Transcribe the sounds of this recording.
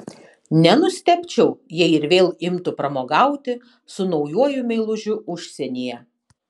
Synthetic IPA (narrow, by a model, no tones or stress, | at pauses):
nʲɛnʊsʲt̪ʲɛpʲt͡ʃʲɛʊjɛɪɾʋʲeːlˠɪmt̪ʊpɾɐmoːɡɑˑʊt̪ʲɪ | sʊnɒʊjuɔjʊmʲɛɪlˠʊʒʲʊʔʊʃʲsʲɛnʲijɛ